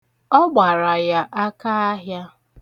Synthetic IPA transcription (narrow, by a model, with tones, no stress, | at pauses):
ɔ˦ɡ͡ba˨ɾa˨ja˦ʔa˦ka˦a˦ɦja˦